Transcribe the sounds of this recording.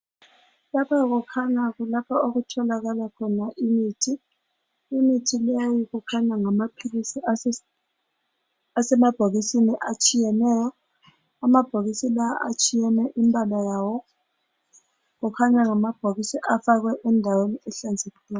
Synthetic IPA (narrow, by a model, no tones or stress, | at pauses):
lapʰaɣ̬ukʰaɲakulapʰaoɣutʰɔlaɣalakʰɔnaʔimiːtʰiː | mitʰilejiɣukʰaɲaŋamapʰilisia | asɛmab̥ʱoɣisiniʔat͡ʃʼijɛnɛːjɔ | amab̥ʱoɣisilaaʔat͡ʃʼijɛnɛʔimbʱalajaːwɔ | ɣ̬ukʰaɲaŋamab̥ʱoɣisiʔafak̬wɛʔɛndʱaweniɛɬand͡zʱekilɛ